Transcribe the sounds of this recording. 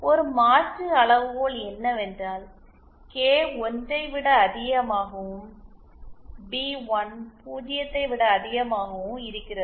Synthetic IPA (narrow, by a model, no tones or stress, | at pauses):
ɔɾɯmaːʈrɯɐɭɐʋɯʋoːɭɛnːɐʋɛndraːl | keːɔndɐɪʋɪɽɐːðɪɣɐmaːɣɐm | biːʋɐnpuːd͡ʒɪjɐt̪ːɐɪʋɪɽɐːðɪɣɐmaːɣɐʋɯmɪɾɯkːɪrɐðɯ